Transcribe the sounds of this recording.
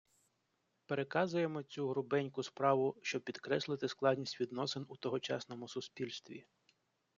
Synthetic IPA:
peɾekɑzʊje̞mɔt͡sʲuɦɾʊbɛnʲkʊspɾɑʋʊʃt͡ʃɔbpʲid̪kɾɛslˠɪt̪ɪsklˠɑd̪ʲnʲisʲtʲʋʲid̪nɔsɪnut̪ɔɦɔt͡ʃɑ̰snɔmʊsʊspʲilʲst̪ʋʲḭ

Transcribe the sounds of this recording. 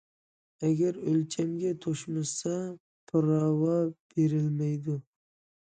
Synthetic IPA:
aɡʲaɾɵlt͡ʃʰamɡʲat̪ʰoʃmasa | pʰʊɾɑwɑb̥eɾɪlmajd̪ʊ

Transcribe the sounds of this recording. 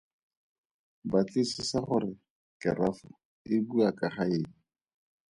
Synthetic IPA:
bat͡ɬisɪsaχʊɾɪ | kɪrafʊ | ɪbuakʼaχaeːŋ̩

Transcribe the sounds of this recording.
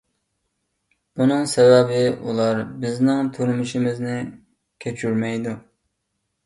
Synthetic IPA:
b̥unɨŋsɛwɛbɪṵlˠɑɾbɪznɪŋt̪ʰuɾmuʃimɪznɪ | kʲʰet͡ʃʰyɾmɛjd̪u

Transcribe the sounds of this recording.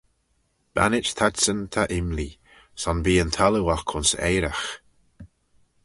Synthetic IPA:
b̥a̰nɪt͡ʃt̪ʰadsənt̪ʰaʔɪmli | sɔnbiːənt̪ʰaləwakʰʊnsḛjɾax

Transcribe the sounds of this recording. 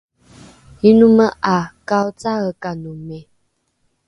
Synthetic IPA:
hinuməʔakaot͡saɣəkanumɛ

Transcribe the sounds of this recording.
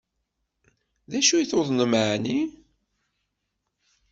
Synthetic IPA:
ðæʃujθoðˤnəmʕni

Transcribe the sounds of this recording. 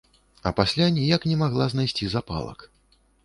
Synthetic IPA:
ɐ̰pasʲlʲanʲijaknʲɛmaɣlˠaznajsʲt͡sʲizapa̰lˠɐ̰k

